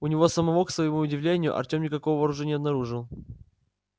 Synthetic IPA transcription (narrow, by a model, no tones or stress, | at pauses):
ʊnʲɪvosəmɐvoksvəjɪmuʊdʲɪvlʲenʲɪjʊ̰ʔɐ̰rtʲo̞mnʲɪkɐkovəvɐːɾʊʐɛnʲɪɐbnɐɾuʐɨlˠ